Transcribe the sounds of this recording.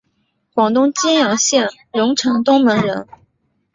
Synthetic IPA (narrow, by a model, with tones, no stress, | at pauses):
kwɑ˨˩ŋt̪ʊ˥ŋt͡ɕi˥njɑ˨˩ŋɕjɛ˥˩n | ɻʊ˧˥ŋʈ͡ʂʰɤ˧˥ŋt̪ʊ˥ŋmə˧˥ŋɻə˧˥n